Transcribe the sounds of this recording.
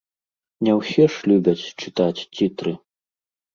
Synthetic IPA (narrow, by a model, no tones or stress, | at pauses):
nʲɛwsʲɛʂlʲubʲɐt͡sʲt͡ʂɨt̪at͡sʲt͡sʲit̪ɾɨ